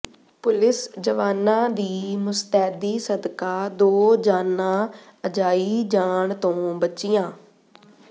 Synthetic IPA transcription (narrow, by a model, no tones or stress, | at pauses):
pʊlɪsd͡ʒəʋaːnãːd̪iːmʊst̪ɛːd̪iːsəd̪kaːd̪oːd͡ʒaːnãː | əd͡ʒaːiːd͡ʒaːɳt̪õːbətːt͡ʃiːjãː